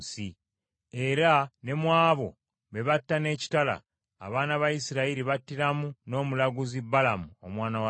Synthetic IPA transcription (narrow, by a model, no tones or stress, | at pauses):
si | e̞ɾane̞mwaːβo̞̰ | βe̞βatːane̞ːci̥tala̰ː | βaːnaβajisiɾaiɾiβatːiɾamuno̞ːmulaɡuzibalamuo̰mwaːnawa